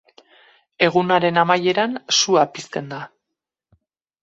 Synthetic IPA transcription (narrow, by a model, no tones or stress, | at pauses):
e̞ɣ̞unaɾe̞namaje̞ɾansuapist̪e̞nd̪a